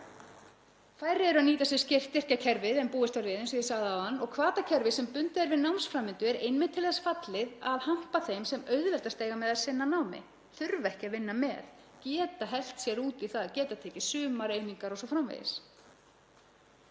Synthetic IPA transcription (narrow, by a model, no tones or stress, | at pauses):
fajɾɪɛɾʏaðniːt̪asɛ̥scɪft̪ːɪr̥cacʰɛɾvɪðɛmpuːðɪst̪aɾɪːðɪns̬ɔjɪsaːɣðaawanːɔɣkʰvaːt̪acʰɛɾvɪsɛmpʏnt̪ɪðɛɾvɪðnawmnsfɾamːɪnt̪ʏɛɾejnmɪ̥t̪ʰɪlθasfat̪lɪðaðham̥paθejmsɛmœɥðvɛlt̪ast̪eːjɣamɛðaðsɪnːanawmɪ̰ | θʏɾvɛhcɪavɪnːamɛ̰ðcɛːt̪aɦɛl̥t̪sjɛɾuːt̪iθaðacɛːt̪aðt̪ʰɛːcɪsʏːmaɾeːjniŋkaɾɔsɔfɾamvḛjðɪ̰s